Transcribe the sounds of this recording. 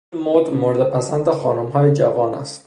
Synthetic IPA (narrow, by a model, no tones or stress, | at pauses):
inmod̪moɾd̪epʰæsænd̪exɒːnomɦɒːjed͡ʒævɒːnæ̰st̪